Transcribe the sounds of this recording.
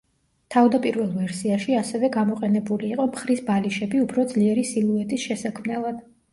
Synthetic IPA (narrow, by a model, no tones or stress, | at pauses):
t̪ʰavd̪apʼiɾvɛlˠvɛɾsiaʃiasɛvɛɡamɔqʼɛnɛbuliːqʼɔmχɾisbaliʃɛbiupʰɾɔd̪zliɛɾisilˠuɛt̪ʼisʃɛsakʰmnɛlˠad̪̥